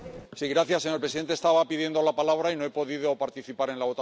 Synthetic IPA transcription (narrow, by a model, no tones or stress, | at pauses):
siɣɾaθjase̞ɲoɾpɾsiðent̪est̪aβapiðje̞nd̪o̞lapalaβ̞ɾaino̞e̞po̞ðiðo̞paɾt̪iθipaɾe̞nlaβo̞t̪a